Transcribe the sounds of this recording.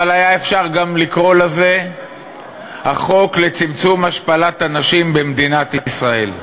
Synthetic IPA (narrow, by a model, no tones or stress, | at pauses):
alajae̞fʃaʁɡamlikʁo̞laze̞ | haχo̞kle̞t͡simt͡sumhaʃpalat̪anaʃimbemd̪inat̪isʁae̞l